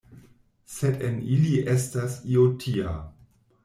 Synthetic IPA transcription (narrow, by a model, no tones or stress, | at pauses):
sedeniliʔestasiotʰia̰